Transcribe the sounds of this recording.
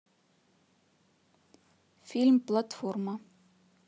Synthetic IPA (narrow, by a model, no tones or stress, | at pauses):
fʲilʲmplˠat̪fɔrmə